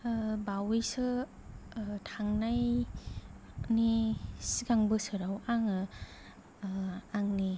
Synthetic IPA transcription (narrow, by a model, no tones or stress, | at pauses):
bawejsɯ | tʰaŋnaj | nisiɡaŋbɯsɯɾawaŋɯ | aŋni